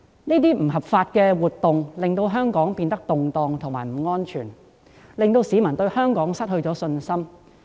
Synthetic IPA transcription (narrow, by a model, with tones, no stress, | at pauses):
niː˥t̪̬iː˥m̩˨˩ɦɐ˨p̚faː˧t̚kɛː˧wuː˨˩t̚t̪ːʊ˨ŋlɪ˨ŋt̪o˧wɦœː˥ŋkɔː˨˥ŋpiː˧nt̪ɐ˥k̚t̪ʊ˨ŋt̪ɔː˨ŋt̪ʰʊ˨˩ŋmaː˨˩m̩˨˩ŋɔː˥nt͡ʃʰyː˨˩n | lɪ˨ŋt̪o˧wsiː˨˥mɐ˨˩nt̪ɵ˧ɥhœː˥ŋkɔː˨˥ŋsɐ˥t̚hɵ˧ɥt͡ʃɔː˨˥sɵ˧nsɐ˥m